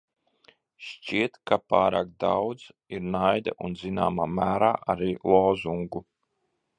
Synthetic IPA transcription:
ʃt͡ʃiɛt̪kapaːɾaːk̚d̪a̰wd̪ziɾnajd̪a̰ʔunzina̰ːmaːmæːɾaːʔaɾiːlˠɔːzuŋɡu

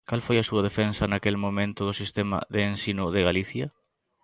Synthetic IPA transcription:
kalfojɐsuɐð̞efensɐnakelmõmẽnt̪ʊðʊsist̪emɐ̰ðeːnsinʊðɪɣaliθjɐ

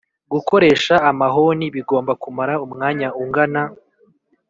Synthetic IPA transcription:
ɡuko̞ɾe̞ːʃaːmaɦo̞niβiɡo̞ːmbakumaɾaumŋaːɲauŋɡana

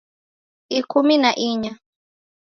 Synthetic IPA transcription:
ikʰuminaʔiɲa

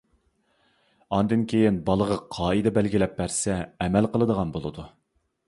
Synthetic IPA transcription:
ɑnd̪ɨnkʲʰejinbɑlˠəʁɑqʰɑːɨd̪ɛbælɡʲilɛp̚ːæɾsɛːmælqəlˠəd̪əʁɑnbolˠɨd̪u

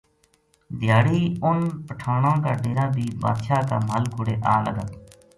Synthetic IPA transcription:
d̪ɪjaːɽiːʊnpəʈʰaːɽãːkaːɖeːɾaːd̪iːba̰ːd̪ʃaːk̪a̰ːməlkʊɽeːʔaːlə̰ɡət̪

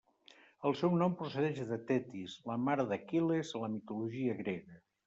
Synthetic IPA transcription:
əlˠsɛwnɔmpɾusəðɛʃðət̪ɛt̪izləmaɾðəkilezləmit̪uluʒiəɣɾeɣə

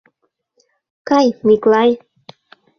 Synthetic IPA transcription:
kɑjmiklɑj

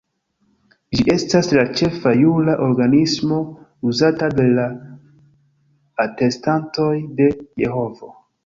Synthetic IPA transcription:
d͡ʒiʔe̞staslat͡ʃe̞fajulaʔo̞ɾɡanismo̞uzatade̞la | te̞stanto̞jde̞je̞ho̞vo̞

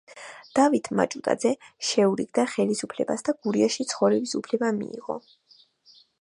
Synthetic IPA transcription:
d̪̥avit̪ʰma̰t͡ʃʼut̪ʼa̰d̪zɛʃɛuɾiɡd̪aχɛlisupʰlɛ̰basd̪aɡ̥uɾiaʃit̪sʰχɔvɾɛbisupʰlɛbamḭiʁɔ̰

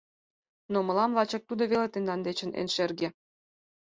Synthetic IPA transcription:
nomɤ̆lɑmlɑt͡ɕɤ̆k̚t̪ud̪ŏβelet̪end̪ɑnd̪et͡ɕə̆nḛnʃerɡĕ

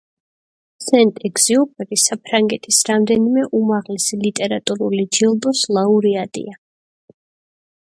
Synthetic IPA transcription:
sɛnt̪ʼɛɡz̥iɔpʼɛɾisapʰɾaŋɡɛt̪ʰisɾamd̪ɛnimɛʔumaʁlɛsilit̪ʼɛɾat̪ʼuɾulid͡ʒilˠd̪ɔslˠauɾiad̪ḭa

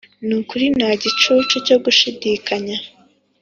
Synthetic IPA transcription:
nukuɾinaɟit͡ʃut͡ʃoco̞ɡuʃidikaɲa

